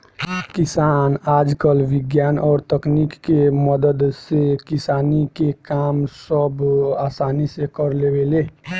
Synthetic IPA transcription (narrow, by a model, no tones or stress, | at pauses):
kɪsaːnaːd͡ʒkəlʋɪɡjaːnɔːɾt̪əknikːeməd̪əd̪sekɪsaːnikekaːmsəbaːsaːnisekəɾleweleː